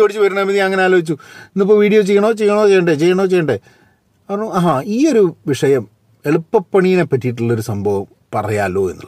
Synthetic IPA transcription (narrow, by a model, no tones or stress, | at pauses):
oːɽit͡ɕːuʋɐɾunɳːɐmiðijɐɐŋːɐne̞aːlo̞ːit͡ɕːuinːip̬ːoʋiːɽijo̞ːt͡ɕejːɐɳoːt͡ɕe̞jːɐɳoːt͡ɕe̞jɐɳɖet͡ɕe̞jːɐɳoːt͡ɕe̞jːɐɳɖe | ɐprɐɳuɦaːiːo̞ɾuʋiʂɐjɐm | e̞ɭupːɐpːɐɳijine̞pːɐtːijiʈ̬ːuɭːɐo̞ɾusɐmbʱɐʋɐm | pɐrɐjaːlo̞ːe̞̰nːṵlːɐ